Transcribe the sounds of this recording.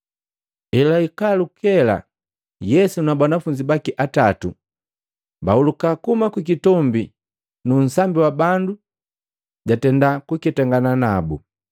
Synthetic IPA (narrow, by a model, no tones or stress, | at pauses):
ɛlaikalukɛla̰ | jɛsunabanafuɲd͡ʒibakiʔatatṵ | baulukakumakik̬itɔmbi | nun̩sambiwabandu | ɟatɛndakukitɛŋɡananabu